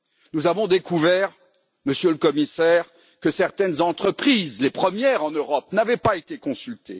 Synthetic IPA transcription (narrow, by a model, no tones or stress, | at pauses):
nuzavɔ̃d̪ekuvɛʁ | məsjøləkɔmisɛʁ | kəsɛʁt̪ɛnzɑ̃t̪χəpχizlepχəmjɛʁɑ̃nøʁɔp̚navɛpaet̪ekɔ̃sylt̪e